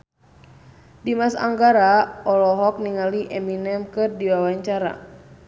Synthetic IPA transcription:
dimasa̰ŋɡaɾaɔlɔɦɔk̚niŋaliʔɛminɛmkɨrdiwawaɲt͡ʃaɾa̰

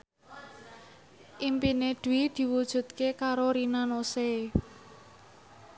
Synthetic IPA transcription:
ʔimpined̪̥uwid̪̥i̤wud̥ʒ̥ṳt̪̚kekaɾoɾinanose

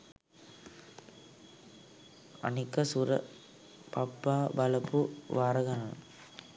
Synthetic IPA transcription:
ɐ̰nɪkːɐsuɾɐ̰ | pɐpːaːbɐlɐpːuʋaːɾɐɣɐnan

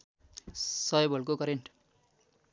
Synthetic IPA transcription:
sʌjbʌlk̬okʌɾeɳʈ

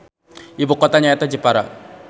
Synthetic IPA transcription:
ʔibukot̪aɲaɛt̪ad͡ʒipaɾa

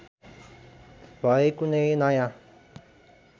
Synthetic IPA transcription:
baekuneenãjã

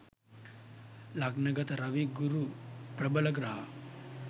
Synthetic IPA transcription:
laɡnɐɡɐt̪ɐɾɐʋiɡuɾupɾɐbɐlɐɡɾɐɦɐ

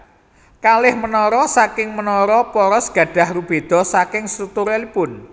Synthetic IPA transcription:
kalɪhmənɔɾɔsakɪŋmənɔɾɔpɔɾɔsɡ̥a̤ɖ̥a̤hrub̥e̤d̪̥ɔ̤sakɪŋsɾuk̚t̪ʊɾelipʊn

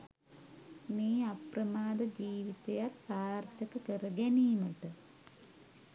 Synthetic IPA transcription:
niːɐprɐmaːd̪ɐd͡ʑiːʋit̪ːɐjaːtsaːrt̪ɐkːɨkerɐɡɐniːmɐʈːɨ

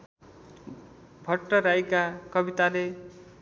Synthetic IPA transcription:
bʱʌʈːʌɾajkakʌbit̪ale

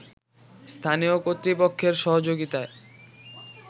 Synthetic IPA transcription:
st̪ʰaniokot̪ːɾipokʰːeɾʃɔɦod͡ʑoɡit̪ae

